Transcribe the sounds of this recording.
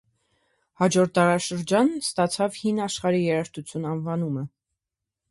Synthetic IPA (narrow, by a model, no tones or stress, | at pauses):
hɑd͡ʒɔɾt̪̚d̪ɑɾɑʃəɾd͡ʒɑnst̪ɑt͡sʰɑvhinɑʃχɑɾijɛɾɑɾt̪ut͡sʰjunɑnvɑnumə